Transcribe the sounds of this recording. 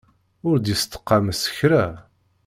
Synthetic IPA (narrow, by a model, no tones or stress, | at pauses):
ʊɾd̪jəst̪ə̥qːɑməsə̥çɾæ